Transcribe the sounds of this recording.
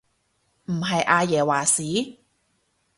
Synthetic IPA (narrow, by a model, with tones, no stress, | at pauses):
m̩˨˩ɦɐ˨jʔaː˧jɛː˨˩waː˨˩siː˨˥